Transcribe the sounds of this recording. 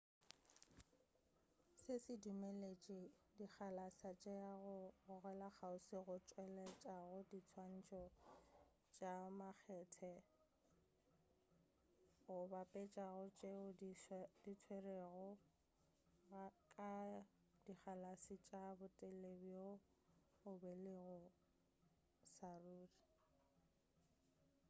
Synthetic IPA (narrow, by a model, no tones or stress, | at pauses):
sɪsɪdumɛlet͡ʃʼɪdik͡xalasat͡ʃʼeaɣʊɣʊɣɛlaχaʊsɪɣʊt͡ʃʼwɛlɛt͡ʃʼaɣʊdit͡sʰwan̩t͡ʃʼɔ | t͡ʃʼamak͡xʰɛtʰɛ | ɣʊbapʼɛt͡ʃʼaɣʊt͡ʃʼeʊditʰwereɣɔ | kʼa | diχʰalasit͡ʃʼabʊtʼellebiʊ | ʊbelɪɣʊ | saruːri